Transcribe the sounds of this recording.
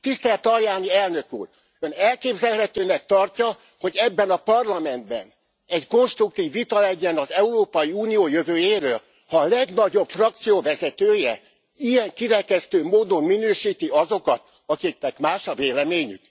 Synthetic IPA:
t̪ist̪ɛlt̪ɒljaːniɛlnø̞kṵːr | ønɛlkeːbzɛlɦɛt̪øːnɛk̚t̪ɒrcɒ | ho̞ɟɛbːɛnɒpɒrlɒmɛnd̪bɛ̰n | ɛɟko̞nʃt̪ruk̚t̪iːvːit̪ɒlɛɟɛnɒzɛuɾoːpɒjiuːnijoːjøvøːjeːɾøːl | hɒːlɛɡnɒɟo̞pfrɒk̚t̪sijoːvɛzɛt̪øːjɛ | ijɛŋkiɾɛkɛst̪øːmoːd̪o̞mːinøːʃiːt̪iɒzo̞kɒt̪ | ɒkik̚nɛkmaːʃɒveːlɛmeːɲy̰k

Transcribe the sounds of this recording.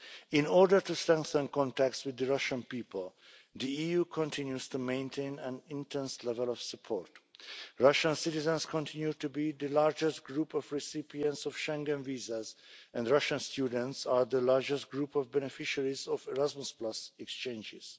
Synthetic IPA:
ɪ̃nɔɹdə˞tustɹɛ̃ŋk̚θə̃nkɔ̃ntæk̚tswɪd̪əɹʌʃə̃npiːpəlˠðiijukʰɔ̃ntʰɪ̃njuz̥tumẽɪ̃ntʰẽnæ̃nɪ̃ntʰɛ̃nslɛvəlɔv̥səpʰɔɹtɹʌʃə̃nsɪtɪzə̃nskʰɔ̃ntʰɪ̃njutubid̪əlaɹd͡ʒɛstɡɹupɔvɹɪsɪpiə̃ntsɔv̥ʃɛ̃ŋɡə̃nviːzazʔɛ̃nɹʌʃə̃nstʰjudə̃ntsaɹd̪əlaɹd͡ʒəst̚ɡɹupɔvbɛnɛfɪʃəɹizɔvɛɹæzmusplasɛkst͡ʃẽnd͡ʒɪ̰z̥

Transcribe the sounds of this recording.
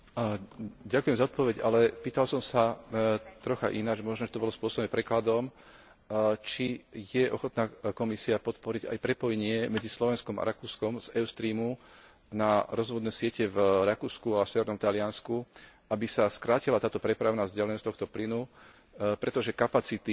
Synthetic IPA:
ɟakujɛmzaɔt̪pɔʋɛɟalɛpiːt̪alsɔmsa | t̪ɾɔxa̰ʔinad͡ʒmɔʒnɔʒɛt̪ɔbɔlɔspʊɔsɔbnɛpɾɛklad̪ɔm | t͡ʃijɛʔɔxɔt̪naːkɔmisiapɔt̪pɔɾiɟa̰jpɾɛpɔjɲɪɛmɛd͡zislɔʋɛnskɔma̰ɾakuːskɔmz̥ɛʊst̪ɾiːmu | naɾɔzʋɔd̪nɛːsɪɛcɛvɾakuːskuasɛʋɛɾnɔmt̪alɪansku | abisaskɾaːcilat̪aːt̪ɔpɾɛpɾaʊnazɟalɛnɔst̪ɔxt̪ɔplinu | pɾɛt̪ɔʒɛkapat͡sit̪i

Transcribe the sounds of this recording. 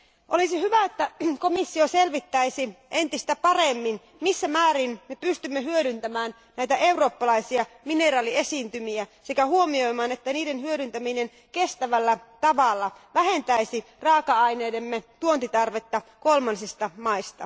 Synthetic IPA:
ʔolisihyʋæet̪ːækomisːioselʋit̪ːæisiʔent̪ist̪æpɑremːin | misːæmæːɾinmepyst̪ymːehyøɾynt̪æmæːn | næjt̪æʔe̞uro̞ːpːɑlɑisiɑ | minerɑːliesiːnt̪ymiæsekæhuomio̞jmɑːnet̪ːæniːdenhyøɾynt̪æminen | kest̪æʋælːæt̪ɑʋɑlːɑʋæɦent̪æisi | rɑːkɑɑineːde̞mːet̪uont̪it̪ɑrʋe̞t̪ːɑkolmɑnsist̪ɑmɑist̪ɑ

